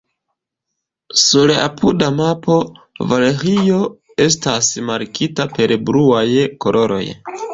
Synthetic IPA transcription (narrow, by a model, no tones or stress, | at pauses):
suɾla̰pʰudamapo̞ | vale̞ɾio̞ | e̞stasmaɾkitape̞ɾbɾuajko̞lʔo̞ɾo̞̰j